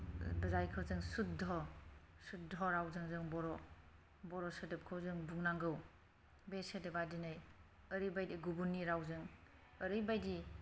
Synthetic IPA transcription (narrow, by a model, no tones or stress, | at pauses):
bɐzajkʰɯwzɯŋsut̚dɔsut̚dʱɔɾawzɯŋzɯŋbɔɾɔ | bɔɾɔsɯdɯp̚kʰɯwzɯŋbuŋnaŋɡɯw | besedebadinaj | əɾibajdiɡubunːiɾawzɯŋ | ɐɾibajdi